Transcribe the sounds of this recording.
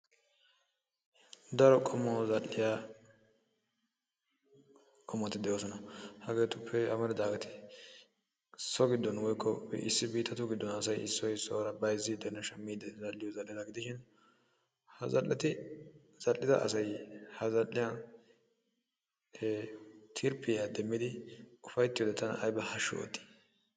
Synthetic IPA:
d̪ɐɾɔkʼɔmːɔzɐlːɪja | kʼɔmːɐt̪ɪd̪ɛjoːsɔnɐhɐɡeːt̪ʊpʰːɛɐmɐɾd̪aːɡɐt̪ɪ̥ | sɔɡɪd̪ːɔnwɔjkʰːɔbɛ̰ʔɪsːɪbiːt̪ʰɐt̪ʊɡɪd̪ːɔnɐsɐjɪsːɔjsɔɾɐbɐjzːid̪ɛnɛʃɐmːiːd̪ɛzɐlːɪjɔzɐlːɛd̪ɐɡɪd̪ɪʃɪn | hɐzɐlːɛt̪ɪ | z̥ɐlːɪzɐ̰ɐ̰sɐjhɐzɐlːɪjɐ | t̪ʰɪɾpʰɪjad̪ɛmːɪd̪ɪʊfɐjt̪ːɪjɔd̪ɛt̪ɐn̰ɐ̰jbɐhɐʃːʊ̰ɔ̰t̪ːi̥

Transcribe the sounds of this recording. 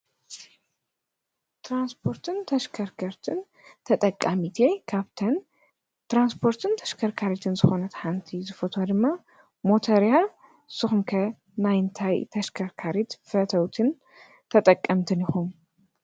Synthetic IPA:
t̪ʰɾanspʰo̞ɾt̪ʰɨnt̪ʰɐʃkʰɐɾkʰɐɾt̪ʰɨn | t̪ʰɐt̪ʼɐkʼːamit̪ʰekʰaβt̪ʰɐn | t̪ɾanspʰo̞ɾt̪ʰɨnt̪ʰɐʃkʰɐɾkʰaɾit̪ʰɨnzɨxo̞nɐt̪ʰħant̪ʰizɨfɐt̪ʰod̪ɨmːa | mo̞t̪ʰɐɾja | sɨxumkʰɐ | najnt̪ʰajt̪ʰɐʃkʰɐɾkʰaɾit̪fɐt̪ʰɐwt̪ʰɨn | t̪ʰɐt̪ʼɐkʼːɐmt̪ʰɨnixum

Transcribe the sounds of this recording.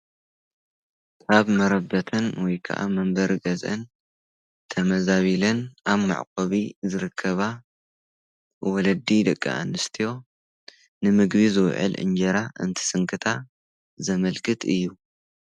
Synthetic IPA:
kʰaβmɐɾɐbɐt̪ʰɨnwɔjkʰa̰ʔa̰mɐmbɐɾɡɐzʔɨ̰n | t̪ʰɐmɐzaβilɐnʔaβma̰ʕqʼoβizɨɾɨkʰːɐβa | wɔlɐd̪id̪ɐkʼːḭʔa̰nɨst̪ʰijo̞ | nɨmɨɡbizɨw̰ʕɨ̰lʔɨ̰nd͡ʒɐɾaʔɨ̰nt̪ʰɨ̥sɨŋkʰɨt̪ʰa | zɐmɐlkʰɨt̪ʰɨjːu

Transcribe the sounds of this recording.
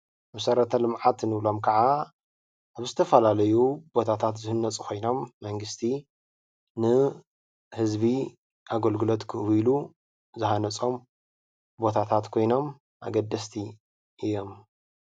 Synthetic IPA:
mɐsɐɾɐt̪ʰɐlɨmʕat̪nɨβlo̞mkʰɐʕa | ʔaβzɨt̪ʰɐfɐlalɐjubo̞t̪ʰat̪ʰat̪zɨhɨnːɐt͡sʼukʰo̞jno̞mːɐŋɡɨst̪ʰi | nɨ | hɨzbi | ʔaɡɐlɡɨlot̪kʰɨʔwilu | zɨɦanɐt͡sʼo̞m | bo̞t̪ʰat̪ʰat̪kʰo̞jno̞m | ʔa̰ɡɐd̪ːɐst̪ʰi | ʔɨjo̞m

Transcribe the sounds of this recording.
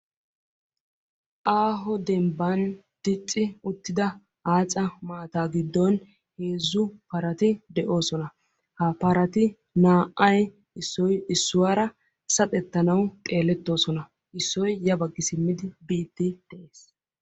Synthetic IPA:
ʔaːɦɔd̪ɛmbɐn | d̪̥ɪt͡sʼːɪʊt̪ːɪd̪ɐ | aːt͡sʼɐmaːt̪aːɡɪd̪ːɔn | heːzːʊpɐɾɐt̪ɪd̪ɛʔo̞ːsɔnɐ | hɐpɐɾɐt̪ɪ | naːʔɐj | ɪsːɔjɪsːʊwaːɾɐ | sɐt̪ʼɛt̪ːɐnɐwt̪ʼe̞ːlɛt̪ːo̞ːsɔnɐ | ʔɪsːɔjjɐbɐɡːɪsɪmːɪd̪ɪbiːt̪ːɪd̪̥ɛʔeːs

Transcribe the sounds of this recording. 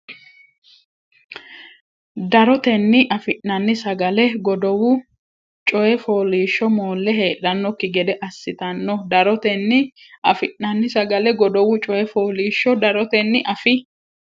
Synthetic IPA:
d̪ɐɾɔt̪ɛnːɪʔɐfɪʔnɐnːɪsɐɡɐlɛɡɔd̪ɔwʊ | t͡ʃʼɔjɛfoːliːʃːɔmo̞ːlːɛɦe̞ːᶑɐnːɔkːɪɡɛd̪ɛʔɐsːɪt̪ɐnːɔd̪ɐɾɔt̪ɛnːɪ | ʔɐfɪʔnɐnːɪsɐɡɐlɛɡɔd̪ɔwʊt͡ʃʼɔjɛfoːliːʃːɔd̪ɐɾɔt̪ɛnːɪʔɐfɪ

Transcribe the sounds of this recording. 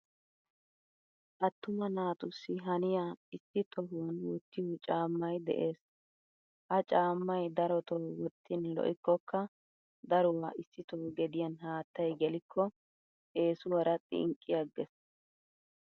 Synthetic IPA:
ʔɐt̪ːʊmɐnaːt̪ʼʊsːɪɦɐnɪjaːɪsːɪt̪ɔɦʊwɐnwɔt̪ːɪhʊt͡ʃʼaːmːɐjd̪ɛ̰ʔe̞ːs | hɐt͡ʃʼaːmːɐjd̪ɐɾɔt̪ɔwɔt̪ːɪnlɔ̰ʔɪkːɔkːɐ | d̪ɐɾʊwaːʔɪsːɪt̪ɔɡɛd̪ɪjɐnhaːt̪ːɐjɡɛlɪkʰːɔ | e̞ːsʊwɐɾɐt̪ʼːɪ̰ɪŋkʼːɪjɐɡːɛs

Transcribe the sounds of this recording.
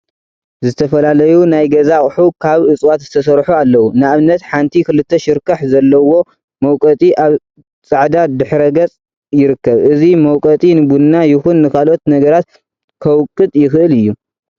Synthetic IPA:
zɨt̪ʰɐfɐlalɐjunajɡɐzaχʼħukʰaβʔɨt͡sʼwat̪zɨt̪ʰɐsɐɾħualːɐwunɨaβnːɐt̪ħant̪ʰikɨlɨt̪ʰːɐʃɪɾkaħzɐlːɐwo̞ | mɐwkʼɐt̪ʼiʔaβ | t͡sʼɨʕd̪ad̪ɨħɾɐɡɐt͡sʼ | jɪɾɨkːɐβʔɨzimɐwkʼɐt̪ʼinɨbunːajɪxunːɨkʰalo̞t̪nɐɡɐɾat̪ | kʰɐwkʼːɨt̪ʼjɪxɨʔɨlɨjːu

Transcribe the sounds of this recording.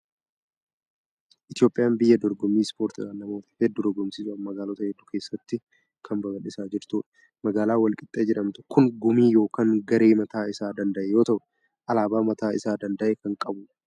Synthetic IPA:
ʔɪt̪ɪjo̞ːpʼːɪjaːmbɪjːɐd̪ɔɾɡʊmːiːspo̞ːɾt̪ɪɡaːnɐmoːt̪ɐ̥feːd̪ɔɾɡʊmsɪsʊɐmɐɡaːlɔt̪ɐhɛd̪ːuːkʰe̞ːsːɐt̪ːɪ | kʰɐmbɐbɐᶑɪsaːd͡ʒɪɾt̪uːᶑɐ̥ | mɐɡaːlaːwɐlkʼɪt̪ʼːeːd͡ʒɛᶑɐmt̪ʊ̥kʰʊŋɡʊmiːjo̞ːkaːŋɡɐɾeːmɐt̪aːɪsaːd̪ɐnd̪ɐʔjo̞ːt̪ɐʔʊ̥ | ʔɐlaːbaːmɐt̪aːɪsaːd̪ɐnd̪ɐʔekɐŋkʼɐbʊ

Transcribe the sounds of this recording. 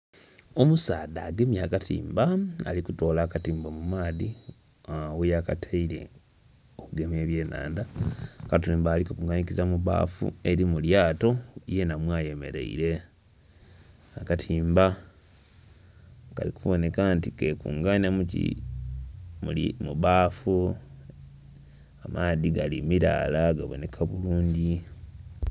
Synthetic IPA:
omusaːðaːɡemjiakatḭːmbaa̰likuto̞ːlaːkatiːmbamumaːði | awejaka̰tʰaiɾe̞̰ | okuɡe̞mie̞ːβje̞ːna̰ːndakatiːmbaːlikokuŋɡanikizamuβa̰ːfṵe̞ɾimuljaːto̞ijenamwaje̞me̞̰ɾe̞̰ḭɾe̞ | akatʰiːmba | kalikuβo̞ne̞kantikekṵːŋɡaɲamucḭ | muβaːfu | amaːðiɡalimiɾa̰ːlaɡaβo̞̰ne̞kʰaβuluːɲdi

